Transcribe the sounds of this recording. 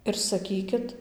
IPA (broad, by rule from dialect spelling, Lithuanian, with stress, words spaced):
ɪr sɐˈkʲiːkʲɪt